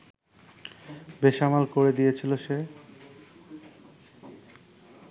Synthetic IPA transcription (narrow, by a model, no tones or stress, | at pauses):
beʃamalkoɾed̪ijet͡ɕʰiloʃe